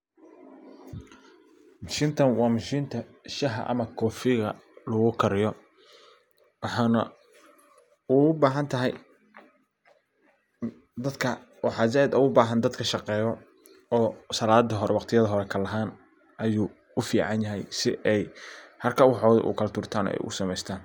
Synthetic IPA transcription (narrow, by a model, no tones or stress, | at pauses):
mʊʃɪnt̪ʰɐnwɑːmʊʃint̪ʰɐ | ʃɐɦɐ̰ʔɐ̰mɐkʰɔːfɪɣɐ̰lʊɣʊkʰɐɾɪjɔ | wɑħɑːnɐ | ʊʊbaːɦɐnt̪ʰɐɦɛj | d̪ɐd̪kʰɐ | wɑħɑːz̬ɛd̪ʊɣʊbaːɦɐnd̪ɐd̪kʰɐʃɑqɛːjɔ | ɔːsɐlaːd̪ɐɦɔɾɛwɑqt̪ʰɪjɐðɐɦɔɾɛkʰɐlɐɦaːn | ʔɐjuː | ʊfiːʕɑnjɐɦɛ̰jsɪʔɛjhɐrkʰɐwɑħɔːðʊʔʊ̰kʰɐlt̪ʰʊːrt̪ʰaːnɔ̰ːʔɛ̰jʔʊ̰sɐmɛjst̪ʰaːn